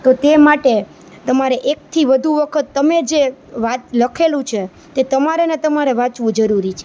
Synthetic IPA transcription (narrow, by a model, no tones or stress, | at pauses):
t̪ot̪emaʈe | t̪əmaɾeʔek̚t̪ʰiʋəd̪ʱuʋəkʰət̪ːəmed͡ʒeʋat̪ləkʰelũt͡ʃʰe | t̪et̪əmaɾenet̪əmaɾeʋãt͡ʃʋũd͡ʒəɾuɾit͡ʃʰe